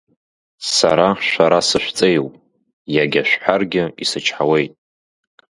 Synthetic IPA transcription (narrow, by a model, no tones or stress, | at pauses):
sa̰ɾaʃʷaɾasɨʃʷt͡sʼejwpʼ | jaɡʲaʃʷᶣħʷarɡʲɪisɨt͡ʃʰħawe̞jtʼ